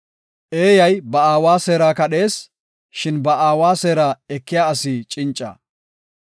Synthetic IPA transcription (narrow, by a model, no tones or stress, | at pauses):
ʔe̞ːjɐjbɐaːwaːse̞ːɾaːkɐɗe̞ːs | ʃɪnbɐʔaːwaːseːɾaːɛkːɪjaːɐsɪt͡ʃʼɪnt͡ʃʼːɐ̰